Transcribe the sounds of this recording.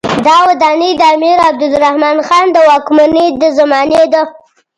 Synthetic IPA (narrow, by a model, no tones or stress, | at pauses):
d̪ɑwad̪ɑnid̪amiɾab̚d̪ʊlɾahmɑnxɑnd̪əwɑkmanid̪əzamɑned̪a